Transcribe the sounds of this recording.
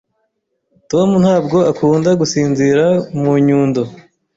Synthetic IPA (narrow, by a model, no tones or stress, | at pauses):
tomun̥haːbɡo̞akuːndaɡusiːnziɾamuɲuːndo